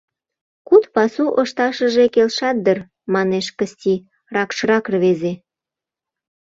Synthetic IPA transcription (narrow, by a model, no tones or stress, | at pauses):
kut̪pɑsuʔəʃt̪ɑʃəʒekelʃɑt̪̚d̪ər | mɑneʃkəst̪ʲi | rɑkʃɾɑkrβeze